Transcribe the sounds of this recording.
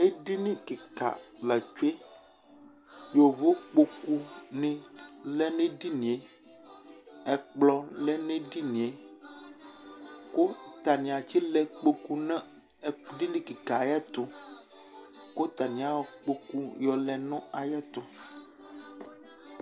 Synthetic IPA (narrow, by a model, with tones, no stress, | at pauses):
e˦ɖi˦nĩ˦ke˨ka̰˨lɛ˨t͡ʃu˦e˦ | jo˨vo˦k͡po˦ku˦nẽ˦lɛ˦nẽ˦ɖi˦nĩ˨e˦ | ɛ˨k͡plɔ˦lɛ˦nẽ˦ɖi˦nĩ˨e˦ | ko˦t̪a˨nĩ˨a˨t͡ɕi˦lɛ˨k͡po˦ku˦nẽ˦˨ | ɖi˦nĩ˦ki˨ka˨jɛ˦t̪ʊ˦ | ko˦t̪a˨nĩ˨ã˨wɔ˨k͡po˦ku˦jɔ˨lɛ˨nɔ̃˦a˨jɛ˦t̪ʊ˦